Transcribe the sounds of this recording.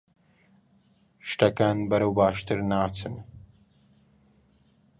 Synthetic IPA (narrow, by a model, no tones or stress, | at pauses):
ʃt̪ɐkaːnbɐɾɐwbaːʃt̪ɨɾnaːt͡sɨn